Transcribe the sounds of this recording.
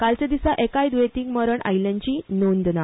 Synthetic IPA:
kalt͡ɕad̪isaʔekaid̪ʋet̪iŋɡməɾəɳa̰jljãɲt͡ɕiːnond̪na

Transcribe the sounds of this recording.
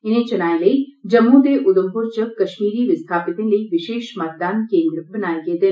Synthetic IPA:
ɪnẽt͡ʃɐnaːileid͡ʒɐmːut̪eʔʊd̪əmpʊɾt͡ʃəkɐʃmiːɾiʋɪst̪ʰaːpɪt̪ẽləiʋɪʃeːʃmɐt̪̚d̪aːnkẽːnd̪ɾəbɐnaːeɡeːt̪eː

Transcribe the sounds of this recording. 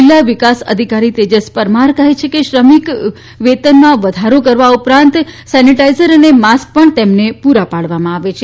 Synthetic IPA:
ilːaʋikasə̰d̪ʱikaɾit̪ed͡ʒəspəɾmaɾkəɦet͡ʃʰekeʃɾəmik | ʋet̪ənmãʋəd̪ʱaɾokəɾʋaupɾãnt̪sɛniʈaizəɾənemask̚pəɳt̪emnepuɾapaɭʋamãaʋet͡ʃʰe

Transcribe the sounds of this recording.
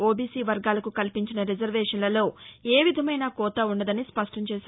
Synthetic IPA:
oːbiːsiːʋɐɾɡaːlɐkukɐlpiɲt͡ʃinɐɾid͡ʒɐɾʋɛːʂɐnlɐlo̞ːeːʋid̪ʱɐmɐjnaːkɔːt̪ɐuɳɖɐd̪ɐnispɐʂʈɐɲt͡ʃɛːʃaː

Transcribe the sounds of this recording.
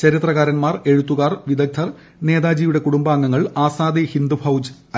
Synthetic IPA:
t͡ɕɐɾit̪rɐɣaːɾɐnmaːre̞ɻut̪ːuɣaːrʋid̪ɐk̚t̪ʰːɐr | ne̞ːðaːd͡ʑiːjuɽe̞kuɽumbaːŋːɐŋːɐɭaːsaːd̪ihind̪ubʰʱɐwd͡ʑ | ɐ

